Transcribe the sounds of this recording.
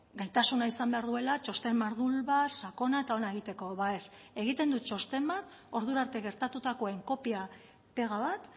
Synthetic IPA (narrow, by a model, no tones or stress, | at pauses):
ɡajt̪asunaisambe̞aɾðue̞lat͡ʃo̞st̪e̞mːaɾðulβasako̞naet̪ao̞nae̞ɣ̞it̪e̞ko̞βaes | e̞ɣ̞it̪e̞nd̪ut͡ʃo̞st̪e̞mbat̪ | o̞ɾðuɾaɾt̪e̞ɣe̞ɾt̪at̪ut̪ako̞e̞ŋko̞pia | pe̞ɣ̞aβat̪